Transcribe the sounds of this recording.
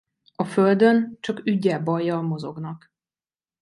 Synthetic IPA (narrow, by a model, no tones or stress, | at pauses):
ɒføld̪ø̞nt͡ʃɒkyɟːɛlbɒjːɒːmo̞zo̞̰ɡnɒk